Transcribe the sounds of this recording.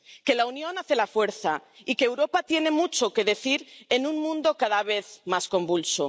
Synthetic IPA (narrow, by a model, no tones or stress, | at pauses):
ke̞launjo̞naθe̞lafwe̞ɾθa̰ikeːwɾo̞pat̪je̞ne̞mut͡ʃo̞ke̞ðe̞θiɾenũnmũnd̪o̞kaðaβ̞e̞θmasko̞mbulso